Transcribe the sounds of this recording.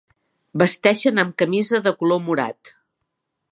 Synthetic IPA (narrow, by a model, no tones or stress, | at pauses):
bəst̪ɛʃənəmkəmizəðəkulomuɾa̰t̪